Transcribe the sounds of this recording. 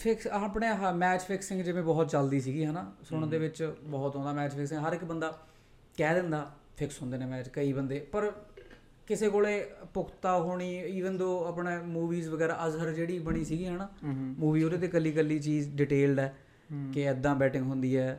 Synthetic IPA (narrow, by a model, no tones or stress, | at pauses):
pʰɪksaːpɳeːɦmɛːt͡ʃpʰɪksɪ̃ŋɡd͡ʒɪʋẽːbɔːt̪t͡ʃəld̪iːs̬iːɡiːɦɛːnaːsʊɽ̃d̪eːʋɪt͡ʃbɔːt̪ɦõːnd̪aːmɛːt͡ʃpʰɪksɪ̃ŋɦəɾɪkbənd̪aː | kɛːd̪ɪ̃nd̪aː | pʰɪksɦʊ̃ːnd̪eːneːmɛːt͡ʃkəiːbənd̪eːpəɾ | kɪseːkoːleːpʊkʰt̪aːɦoːɽ̃iːiːʋənd̪õːəpɳeːmuːʋiːzʋəɡɛːɾaːəzɦəɾd͡ʒeːɽiːbəɽ̃iːsiːɡiːɦɛːnaːmuːʋiːɦoːɾeːt̪eːkəlːiːk̬əlːiːt͡ʃiːzɖɪʈeːlɖɛː | kɪɪd̪ːãːbɛːʈɪ̃ŋɡɦʊnd̪iːɛː